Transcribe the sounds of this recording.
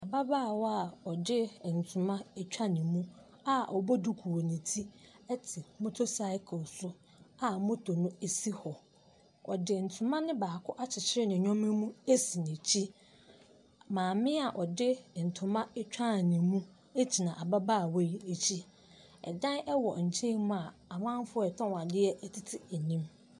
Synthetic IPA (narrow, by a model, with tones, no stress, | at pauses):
a˨ba˦baː˦˨wɔ˦a˨ɔ˨dɪ˦˨n̩˨tʰʊ˨mã˦t͡ɕᶣa˦nɪ̃˨mũ˦ | a˦˨ʔɔ˨bɔ˦du˦kʰu˨wo˨nĩ˨tʰi˦ | ɛ˦tʰɪ˨mʊ̃˦tʰʊ˦sa˦ɪ˦kʰʊ˨sʊ˦ | a˨mʊ̃˦tʰo˨nʊ̃˦e˨si˦hɔ˨ | ɔ̰˨dɪ˨n̩˨tʰʊ̃˨mã˦nɪ̃˦baː˨kʰʊ˦ʔa˦t͡ɕʰɪ˨t͡ɕʰɪ˦ɾɪ˦nɪ̃˨ɲᶣɔ̃˦mɪ̃˦mũ˦e˦si˨nĩ˨t͡ɕʰi˦ | mãː˨mɪ̃˦a˨ʔɔ˨dɪ˦n̩˨tʰʊ˨mã˦t͡ɕᶣã˦˨nĩ˨mũ˦ | e˦t͡ɕʰi˨nã˨ʔa˨ba˦baː˦˨we˦i˨e˨t͡ɕʰi˦ | ɛ̰˨dã˦nɛ˦wɔ˨ɲ̩˨t͡ɕʰĩ˦mũ˦a˨a˨mã˦n˦fʊ˦ɛ˨tʰɔ̃˦wã˨dɪ˦ɛ˦ʔɛ˦tʰɪ˦tʰɪ˨ɛ˨nĩ˦m